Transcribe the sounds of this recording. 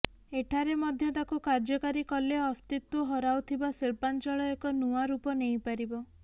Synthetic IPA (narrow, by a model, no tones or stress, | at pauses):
eʈʰaɾemɔd̪ʱjɔt̪akukaɾd͡ʒɔkaɾikɔleɔst̪it̪ːuɦɔɾawt̪ʰibaseɭpant͡ʃɔɭɔekɔnuaɾupɔnejpaɾibɔ